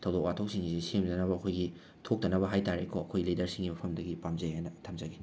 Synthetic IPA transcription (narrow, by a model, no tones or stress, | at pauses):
tʰɐwdok̚watʰowk̚siŋɡizisemdɐnɐβɐːkʰojɡi | tʰok̚tɐnɐbɐɦajtaɾekʰoɐkʰojɡilidɐɾsiŋɡimɐpʰɐmdɐɡipamzɐɦajnɐtʰɐmzɐɡi